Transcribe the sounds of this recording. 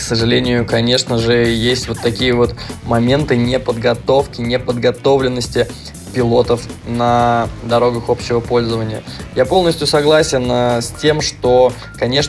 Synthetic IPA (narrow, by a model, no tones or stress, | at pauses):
ksəʐɨlʲenʲɪjʊkɐnʲe̞ʂnəʐɨjesʲtʲvo̞t̪ːɐkʲijəvo̞t̪mɐmʲe̞nt̪ɨnʲɪpəd̪ɡɐt̪o̞fkʲɪnʲɪpəd̪ɡɐt̪o̞vlʲɪnːəsʲtʲɪ | pʲɪlˠo̞t̪əfnəd̪ɐɾo̞ɡəxo̞pɕːɪvəpo̞lʲzəvənʲɪjəjapo̞lˠnəsʲtʲjʊsɐɡlˠasʲɪnsʲtʲe̞mʂt̪o̞ | kɐnʲe̞ʂ